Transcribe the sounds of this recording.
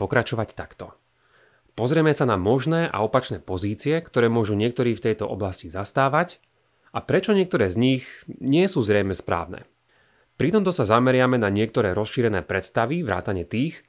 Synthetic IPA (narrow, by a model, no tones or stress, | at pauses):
pɔkɾat͡ʃɔʋact̪akt̪ɔ | pɔzɾɪɛmɛsanamɔʒnɛːʔa̰ɔpat͡ʃnɛːpɔziːt͡siɪɛkt̪ɔɾɛːmʊɔʒuɲɪɛk̚t̪ɔɾiːft̪ɛjt̪ɔʔɔblascizast̪aːʋac | apɾɛt͡ʃɔɲɪɛk̚t̪ɔɾɛːzɲiɣɲɪɛsuːzɾɛjmɛspɾa̰ːʊnɛ̰ː | pɾit̪ɔmt̪ɔsazamɛɾɪamɛnaɲɪɛk̚t̪ɔɾɛːɾɔsʃiːɾɛnɛːpɾɛt̪st̪aʋiʋɾa̰ːt̪aɲɪɛt̪iːx